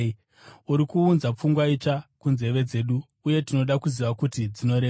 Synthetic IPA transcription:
uɾikuːnzap͡fuŋɡwait͡ʂakunze̞ʋe̞d͡ze̞ɗuː | je̞tino̞ɗakuziʋakutid͡zino̞ɾe

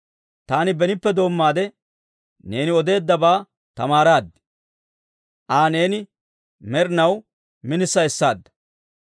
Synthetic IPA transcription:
t̪aːnɪbɛnɪpːɛd̪o̞ːmːaːd̪ɛ | ne̞ːnɪɔd̪e̞ːd̪ːɐbaː | t̪ɐmaːɾaːd̪ː | ʔaːne̞ːnɪ | mɛɾnɐw | mɪnɪsːɐɛsːaːd̪ːɐ̥

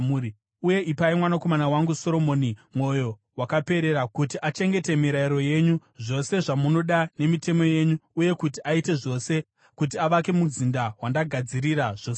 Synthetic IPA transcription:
muɾi | uje̞ʔipaimwanako̞manawaŋɡuso̞ɾo̞mo̞ːnimwo̞jo̞ | wakape̞ɾe̞ɾakutiʔat͡ʃe̞ŋɡe̞te̞miɾaiɾo̞je̞ɲuʐo̞se̞ʐamuno̞ɗane̞mite̞mo̞je̞ɲuːje̞kutiʔaite̞ʐo̞se̞ | kut̬iaʋake̞muzindawandaɡʱad͡ziɾiɾaʐ̥o̞ːse

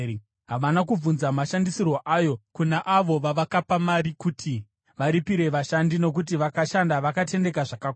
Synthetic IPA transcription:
ɦaʋanakub͡vunzamaʃandisirwoʔajo̞kunaʔaʋo̞ʋaʋakapamaɾikutʰi | ʋaɾipiɾe̞ʋaʃandino̞k̬ut̬iʋakaʃandaʋakat̬e̞nde̞kaʐaka

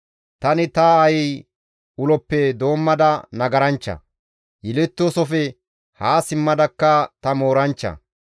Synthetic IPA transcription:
t̪ɐnɪt̪ɐːjɪ | ʊlɔpːɛd̪o̞ːmːɐd̪ɐnɐɡɐɾɐnt͡ʃːɐ̰ | jɛlɛt̪ːoːsɔfɛ | haːsɪmːɐd̪ɐkːɐt̪ɐmo̞ːɾɐnt͡ʃːɐ̰

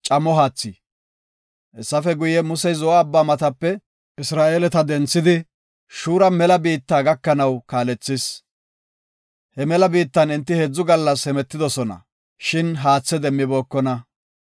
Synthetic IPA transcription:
t͡ʃʼɐmːɔɦaːt͡sːɪ | ʔɛsːɐfɛɡʊjɛmʊsɛjzɔaːbːaːmɐt̪ɐpːɛ | ʔɪsɾaːʔe̞ːlɛt̪ɐd̪ɛnt͡sːɪd̪ɪ | ʃuːɾɐmɛlɐbiːt̪ːaːɡɐkːɐnɐwkaːlɛt͡sːɪs | hɛmɛlɐbiːt̪ːɐnɪnt̪ːɪhed͡zːʊɡɐlːɐshɛmɛt̪ːɪd̪ɔsɔnɐ̰ | ʃɪnɦaːt͡sːɛd̪ɛmːɪbo̞ːkːɔnɐ

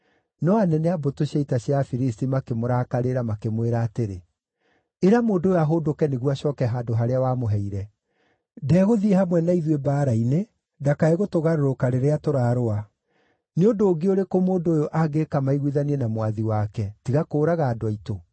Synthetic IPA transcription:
nɔanɛnɛabotoɕaitaɕiafiɾistimakemoɾaːkaɾeɾamakemweɾaːteɾe | eɾamoːndoːjoaɦodokɛneɣuaɕɔːkɛɦaːdoɦaɾeawaːmoɦɛiɾɛ | dɛːɣoðiehamwɛnaiðwebaːɾaine | dakaeɣotoɣaɾoɾokaɾeɾeatoɾaːɾoa | neondoːɡeoɾekomoːndoːjoʔaɡekamaiɣwiðaniɛnamwaðiwakɛtiɣakoːɾaɣaːdoaito

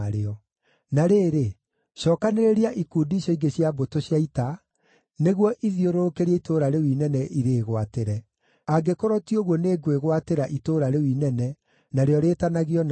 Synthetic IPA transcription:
ɾeɔ | naɾeːɾe | ʃɔːkaneɾeɾiaʔikuːdiɕɔiɡeɕiabotoɕjaita | neɣwɔʔiðioɾoɾokeɾiaitoɾaɾewinɛnɛʔiɾeːɣwateɾɛ | aɡekɔɾɔtioɣwɔneɡweɣwateɾaʔitoːɾaɾewinɛnɛ | naɾeɔɾeːtanaɣiɔn

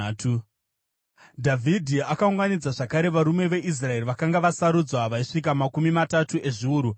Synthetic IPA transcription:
tu | dʱavʱidʱiakauŋɡanid͡zaʐakaɾe̞ʋaɾume̞ʋe̞ʔis̬rae̞riʋakaŋɡaʋasaɾud͡zwaʋaiʂik̬amakumimatatuʔe̞ʐiuːɾu

